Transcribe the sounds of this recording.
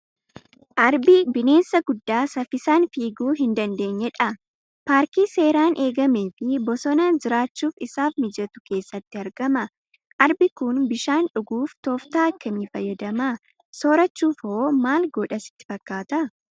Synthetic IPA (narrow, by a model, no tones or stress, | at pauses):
ʔɐɾbibɪne̞ːnsɐɡʊd̪ːaːsɐfɪsaːnfiːɡuːɦɪnd̪ɐnd̪e̞ːɲːɛᶑɐ | paːɾkiːse̞ːɾaːnʔe̞ːɡɐme̞ːfɪbɔsɔnɐd͡ʒɪɾaːt͡ʃːuːfɪsaːfmɪd͡ʒɐt̪ʊ̥ke̞ːsːɐt̪ːɪɐɾɡɐmɐ | ʔɐɾbɪkʊnbɪʃaːnᶑʊɡuːft̪oːft̪aːɐkːɐmiːfɐjːɐd̪ɐma | soːɾɐt͡ʃːuːfoːmaːlɡɔᶑɐsɪ̥t̪ːɪ̥fɐkːaːt̪ɐ